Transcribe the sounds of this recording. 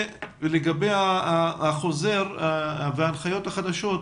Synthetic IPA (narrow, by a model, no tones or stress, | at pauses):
leɡabe̞jaaaχo̞ze̞ʁveaːnχajo̞t̪haχad̪aʃo̞t̪